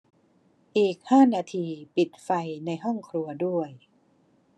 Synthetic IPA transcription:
ʔiː˨˩k̚haː˥˩naː˧t̪ʰiː˧pi˨˩t̪̚fa˧jna˧jɦɔ˥˩ŋkʰɾu˧ɐdu˥˩əj

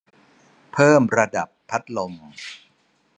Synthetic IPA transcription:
pʰɤː˥˩mɾa˧da˨˩pʰːa˦˥t̪̚lo˧m

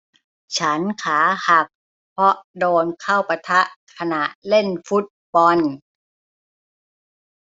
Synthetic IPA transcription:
t͡ɕʰa˦˥nkʰaː˩˦ha˨˩k̚ | pʰɔ˧˦˥ʔdoː˧nkʰa˥˩wpa˧t̪ʰa˦˥ʔkʰa˧na˨˩ʔle˥˩nfu˦˥t̪̚bɔ˧n

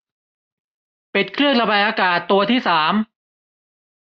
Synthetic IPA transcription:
pe˨˩t̪̚kʰɾɯ˥˩əŋɾa˧ba˧jʔaː˧kaː˨˩t̪ːu˧ɐt̪ʰiː˥˩saː˩˦m

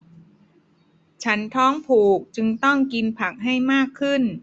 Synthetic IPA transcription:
t͡ɕʰa˦˥nt̪ʰɔː˦˥ŋpʰuː˨˩k̚t͡ɕɯ˧ŋt̪ɔ˥˩ŋki˧npʰa˨˩k̚ɦa˥˩jmaː˥˩kʰːɯ˥˩n

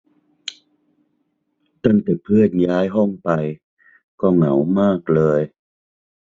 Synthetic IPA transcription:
t̪a˥˩ŋt̪ɛː˨˩pʰɯ˥˩ənjaː˦˥jɦɔ˥˩ŋpa˧j | kɔː˥˩ŋa̰˩˦wmaː˥˩k̚lɤː˧j

